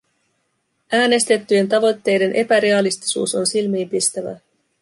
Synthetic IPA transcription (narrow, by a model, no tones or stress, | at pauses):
æːne̞st̪e̞t̪ːyje̞nt̪ɑʋo̞t̪ːe̞jde̞nʔe̞pæɾe̞ɑlist̪i̥sṵːso̞nsilmiːmpist̪æʋæ̰